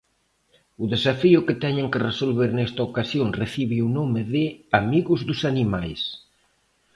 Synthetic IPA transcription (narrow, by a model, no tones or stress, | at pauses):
ʊðesafiʊkɪt̪ɛɲẽŋkɪresolβeɾnɛst̪ɐokasjoŋreθiβɪunomɪðɪamiɣʊzðʊsanimajs